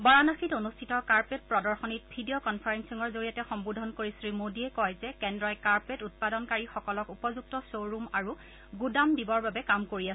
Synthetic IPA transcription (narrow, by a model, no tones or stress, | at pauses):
bɔɹanaxitonustʰitɔkaɹpet̚pɹɔdɔɹxɔnit̚bʱidiokɔnpʰaɹensiŋɔɹzoɹijatɛxɔmbudʱɔnkoɹisɹimodiɛkɔjzɛkɛndɹɔjkaɹpetut̚padɔnkaɹixɔkɔlɔkupɔzuk̚tɔsowɹumaɹu | ɡudamdibɔɹbabɛkamkoɹiasɛ